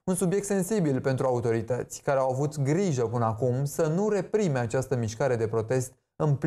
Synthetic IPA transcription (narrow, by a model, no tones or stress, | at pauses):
unsubje̞k̚t̪se̞nsibilpe̞nt̪ɾuaut̪o̞ɾit̪ət̪sʲkaɾeawavut̪ɡɾiʒəpɨnəakumsənuɾe̞pɾime̞at͡ʃast̪əmiʃkaɾe̞d̪e̞pɾo̞t̪e̞st̪ | ɨmpl